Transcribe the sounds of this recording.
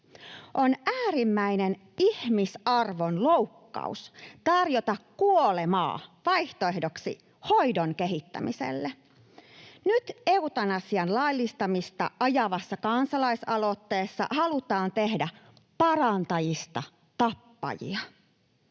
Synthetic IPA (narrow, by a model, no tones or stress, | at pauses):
ʔo̞nʔæːɾimːæinen | ihmisɑrʋo̞nlo̞wkːɑ̰ust̪ɑrjo̞t̪ɑkːuolemɑ̰ːʋɑjht̪oeɦdoksḭ | ho̞jdoŋke̞ɦit̪ːæ̰misḛlːe | nyt̪e̞ut̪ɑnɑsiɑnlɑlːist̪ɑmist̪ɑ̰ʔɑjɑʋɑsːɑkɑnsɑlɑisɑlo̞t̪ːe̞ːsːɑ̰hɑlut̪ɑːnt̪e̞hdæ | pɑɾɑnt̪ɑjist̪ɑ | t̪ɑpːɑ̰jḭɑ